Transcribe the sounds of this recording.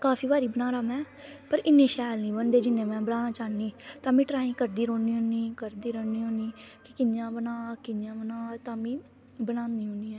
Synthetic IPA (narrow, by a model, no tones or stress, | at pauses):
kaːfʰiːbaːɾiːbənaːɾaːmɛ̃ː | pəɾɪnːĩːʃaːlnĩːbənd̪eːd͡ʒɪnːẽːmɛ̃ːbəlaːnãːt͡ʃaːniːt̪ãːmĩːʈɾaːĩːkəɾd̪iːɾoːniːɦoːniːkəɾd̪iːɾoːniːɦõːniːkɪkɪnjãːbənaːkɪnjãːbənaːt̪ãːmĩː | bənãːniːɦõːniːɛː